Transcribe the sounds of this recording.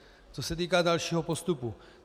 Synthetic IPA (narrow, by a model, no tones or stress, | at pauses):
t͡sosɛt̪̬iːkaːdalʃiːɦopo̞st̪upu